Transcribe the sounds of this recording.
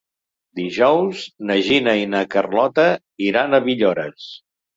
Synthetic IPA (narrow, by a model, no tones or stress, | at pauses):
d̪iʒɔwznəʒinəinəkərlɔt̪ə | iɾanəβiʎoɾəs